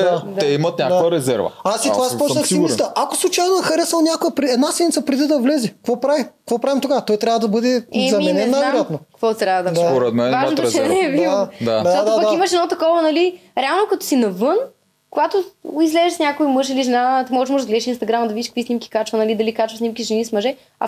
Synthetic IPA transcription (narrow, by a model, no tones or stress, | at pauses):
d̪adt̪ɛimət̪nʲakd̪aoəɾɛzɛɾvɐ̰asit̪ovaspɔt͡ʃnɐxsiit̪əʔakoslˠuʊt͡ʃajnoɛxɐɾɛsnəlˠnʲakʊjəpɾɛd̪nasɛd̪nʲit̪sɐpɾɛd̪id̪ɐvlɛzɛkvɔpɾavimkvɔpɾavimt̪oɡat̪ɔjt̪ɾʲavəd̪ɐbɤd̪ɛɛzɐmiɛnmɛnːɐjat̪nokvɔt̪ɾʲjavɐd̪ɐd̪apoɾɛd̪mɛvaʒnot̪ot͡ʃɛnɛvid̪ad̪aɔd̪adpɐkiməʃɛd̪ɔt̪ɐkɔvɐnɐliɾɛalˠnokɐt̪ɔ̥sinɐvɤn | kʊɡat̪oizlɛzɛʃsnʲakoimɤʃiliʒɛnat̪imɔɣɛʃmɔʒd̪zɡlɛd̪iʃinst̪ɐɡɾamɐd̪ɐvidiʃkək̚visnimkʲi̥kat͡ʃvɐnɐlid̪ɐlikat͡ʃvəsnʲimkʲiʒɛnismɐʒɛ | ɐ̰